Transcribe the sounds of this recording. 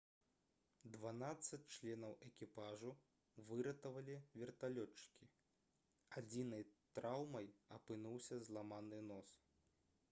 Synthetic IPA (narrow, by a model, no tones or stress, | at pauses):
d̪vanat̪sːɐt͡sʲt͡ʂlʲɛnɐwʔɛkʲipaʐu | vɨɾɐt̪ɐvɐlʲivʲɛrt̪alʲɔt͡ʂːkʲi | ad͡zʲinɐjt̪ɾawmɐjɐpɨnuwsʲɐzlˠamanɨnɔs